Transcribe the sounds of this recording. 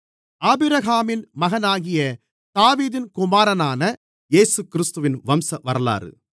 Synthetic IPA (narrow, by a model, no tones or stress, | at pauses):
aːbɯɾɐɣaːmɪnmɐɣɐnaːɣɪjɐ | t̪aːʋiːðɪnkʊmaːɾɐnaːnɐ | eːsɯkːɪɾɯst̪ɯʋɪnʋɐmsɐʋɐɾɐla̰ːɾɯ̰